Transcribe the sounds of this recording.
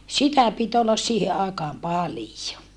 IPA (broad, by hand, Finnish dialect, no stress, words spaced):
sitæ pit olːɑs siːhe ɑikɑːm pɑlijo